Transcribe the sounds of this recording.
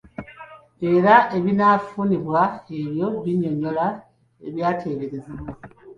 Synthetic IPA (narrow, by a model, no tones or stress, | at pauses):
e̞ɾaʔe̞βinafuniβwae̞βjo̞βiɲo̞ɲo̞la | e̞βjaːtʰe̞βeɾeziβwo